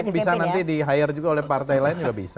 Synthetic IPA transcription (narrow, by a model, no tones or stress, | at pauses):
bisanant̪idiɦajɪrd͡ʒuɡaolɛhpart̪ajlaɪnd͡ʒuɡabḭsa